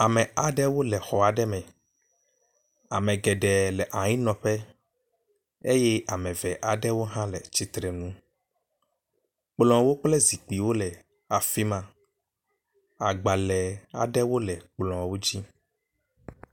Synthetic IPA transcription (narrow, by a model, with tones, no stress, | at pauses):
a˨mɛ̃˨a˨ɖɛ˦wo˦lɛ˨xɔ˨a˨ɖɛ˦mɛ̃˨ | a˨mɛ̃˨ɡɛ˨ɖɛ˨lɛ˨ʔa˨ɲĩ˦nɔ̃˨ɸɛ˦ | e˦jɛ˦a˨mɛ̃˨vɛ˨ʔa˨ɖɛ˦wo˦ɦã˦lɛ˨t͡ɕi˦t̪ɾɛ˨nũ˦ | k͡plɔ̃˨wo˦k͡plɛ˦zi˨k͡pi˨wo˦lɛ˨ | a˨fi˦mã˦ | a˨ɡ͡ba˨lɛ˨a̰˨ɖɛ˦wo˦lɛ˨k͡plɔ̃˨wo˦d͡ʑi˦